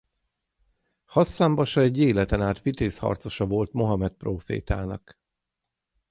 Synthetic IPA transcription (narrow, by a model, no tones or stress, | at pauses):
hɒsːaːmbɒʃɒɛɟːeːlɛt̪ɛnaːt̪fit̪eːshɒ̰rt̪so̞ʃɒvo̞lt̪mo̞ɦɒmɛt̪̚proːfḛːt̪a̰ːnɒk